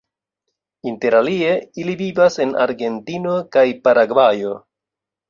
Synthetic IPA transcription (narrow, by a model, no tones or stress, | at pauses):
inte̞ɾalie̞ilivivase̞nʔa̰ɾɡe̞ntino̞kajpaɾaɡvajo̞